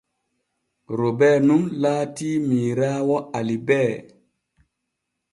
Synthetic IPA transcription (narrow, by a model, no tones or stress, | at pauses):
ɾobɛːnumlaːtiːmiːɾaːwɔalibɛː